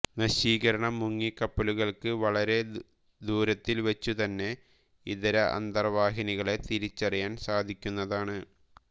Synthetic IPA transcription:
nɐɕiːɣɐɾɐɳɐmuŋːikːɐpːɐluɣɐɭkɨʋɐɭɐɾe̞ | d̪uːɾɐt̪ːilʋɐt͡ɕːut̪ɐnːe̞ | iðɐɾɐʔɐ̰nd̪ɐrʋaːɦiniɣɐɭe̞t̪iɾit͡ɕːɐrijaːnsaːd̪ʱikʲːunːɐðaːɳɨ

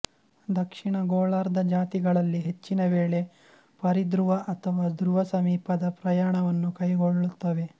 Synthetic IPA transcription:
d̪ɐkʂiɳɐɡoːɭaːɾd̪ɐd͡ʒaːt̪iɡɐɭɐlːiɦe̞t͡ʃːinɐʋeːɭe̞ | pɐɾid̪ɾuʋɐʔɐt̪ʰɐʋaːd̪ɾuʋɐsɐmiːpɐd̪ɐpɾɐjaːɳɐʋɐnːukɐjɡoɭːut̪ːɐʋe̞

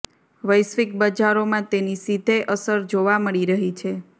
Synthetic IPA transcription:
ʋəjsʋik̚bəd͡ʒaɾomãt̪enisid̪ʱeʔəsəɾd͡ʒoʋaməɭiɾəɦit͡ʃʰe

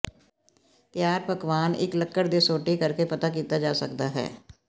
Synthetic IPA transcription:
t̪jaːɾ̚pəkʋaːnɪ̰kləkːəɽd̪esoːʈikəɾkepɐt̪ak̬iːt̪ad͡ʒaːsɐkd̪aɦɛ̰ː

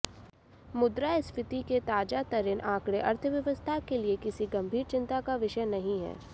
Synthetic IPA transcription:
mʊd̪ɾaɪspɪt̪iket̪aːd͡ʒat̪ɐɾɪnʔãːkɽeʔɐɾt̪ʰəʋjɐʋəst̪ʰakeliekɪsiɡɐ̃mbʱiːɾt͡ʃɪ̃nt̪akaʋɪʃəjnɐɦĩɦɛ̰ː

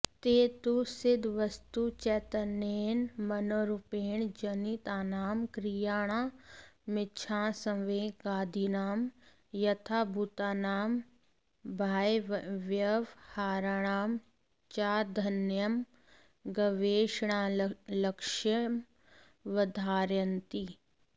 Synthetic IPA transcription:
t̪eːt̪usɪd̪ʱʋəst̪ut͡ʃɛt̪əneːnmɐnoːɾʊpeːɳd͡ʒɐnit̪aːnaːmkɾijaːɽ̃aːmɪtːt͡ʃʰãːsɐ̃ʋeːɡaːd̪ʱinaːm | jɐt̪ʰaːbʱut̪aːnaːm | bʱaːjʋjɐʋhaːɾaɳ̃aːm | t͡ʃaːd̪ʱɐnjəm | ɡɐʋeːʃɽ̃alɐkʃjəm | ʋɐd̪ʱaːɾjɐnt̪i

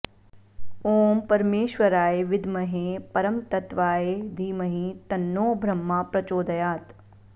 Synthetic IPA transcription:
oːmpɐɾmeːʃʋɐɾaːeʋɪd̪mɐɦepɐɾɐmt̪ɐt̪ʋaːed̪ʱiːmɐɦĩt̪ɐnːoːbʱɾɐmːapɾɐt͡ʃoːd̪ɐjaːt̪

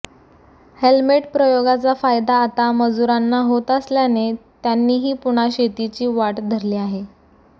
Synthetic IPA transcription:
helmeʈpɾəjoɡat͡safajd̪aːt̪aməd͡zuɾanːaɦot̪əsljanet̪janːiːɦiːpuɽ̃aɕet̪it͡ɕiːʋaʈd̪ʱəɾliːaɦe

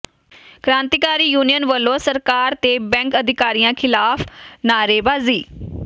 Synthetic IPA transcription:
kɾãːnt̪iːkaːɾiːjuːnijənʋəlːõːsəɾkaːɾt̪eːbɛ̃ːŋkəd̪ʱɪkaːɾijãːkʰɪlaːpʰnaːɾeːbaːziː

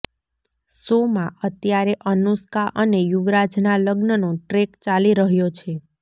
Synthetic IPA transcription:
somãət̪jaɾeʔənuskaʔənejuʋɾad͡ʒnaləɡnənoʈɾekt͡ʃaliɾəɦjot͡ʃʰe

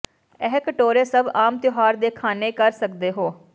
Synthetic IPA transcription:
ɛːkəʈoːɾeːsəbaːmt̪ɪjoɦaːɾd̪eːkʰaːneːkəɾsəkd̪eːɦoː

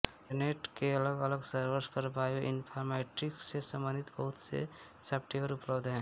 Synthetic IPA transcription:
eneʈkeələɡələɡsəɾbəɾspəɾbajoʔinpʰaɾmeʈiksesəmbənd̪ʱit̪bəɦut̪sḛ | sepʈebəɾupləbd̪ɦɛ̃

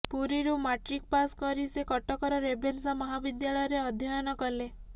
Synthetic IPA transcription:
puɾiɾumaʈɾik̚paskɔɾisekɔʈɔkɔɾɔɾebʱensamɔɦabid̪jaɭɔjɔɾeɔd̪ʱjɔjɔnɔkɔle

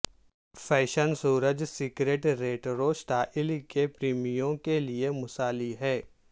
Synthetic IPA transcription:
fɛːʃənsuːɾəd͡ʒsɪkɾeːʈɾeːʈɾoːsʈ̪aːʔɪlikepɾiːmijõkeliemʊsaːliɦɛː

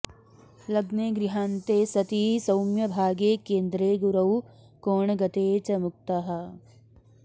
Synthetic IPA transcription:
lɐɡneːɡɾiɦaːnt̪eːsɐt̪iːsɐwmjɐbʱaːɡeːkeːnd̪ɾeːɡuɾɐw | koːɳɡɐt̪eːt͡ʃɐmʊk̚t̪aɦɐ

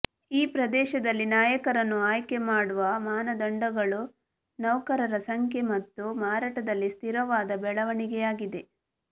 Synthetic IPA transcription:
iːpɾɐd̪ɛːʃɐd̪ɐlːinaːjɐkɐɾɐnːuaːjke̞maːɽuʋɐmaːnɐd̪ɐɳɖɐɡɐɭu | nɐwkɐɾɐɾɐsɐŋkʰjemɐt̪ːumaːɾaːʈɐd̪ɐlːist̪ʰiɾɐʋaːd̪ɐbɛɭɐʋɐɳiɡɛjaːɡid̪e̞

